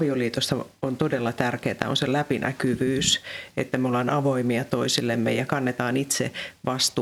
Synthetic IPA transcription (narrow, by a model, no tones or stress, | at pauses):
ʋioliːt̪ost̪ɑont̪odelːɑt̪ærkeːt̪æ̰o̰nselæpinʔæ̰kyʋyːsḛt̪ːæmeolɑnɑʋoimiɑt̪oisilːemːejɑkɑnːet̪ɑːnit̪sḛʋɑst̪u